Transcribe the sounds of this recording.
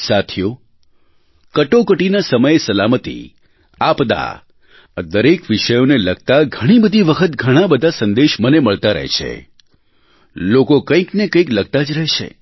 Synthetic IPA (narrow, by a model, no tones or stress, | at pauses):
sat̪ʰijo | kəʈokəʈinasəməjesəlamət̪ḭ | apd̪a̰ | d̪əɾekʋiʃəjoneləɡ̚ʱt̪aɡʱəɽ̃ibəd̪ʱiʋəkʰət̪ɡʱəɽ̃ãbəd̪ʱasənd̪eʃməneməɭt̪aɾə̰ɦḛt͡ʃʰḛ | lokokə̃ĩknekə̃ĩkləɡ̚t̪ad͡ʒɾəɦt͡ʃʰḛ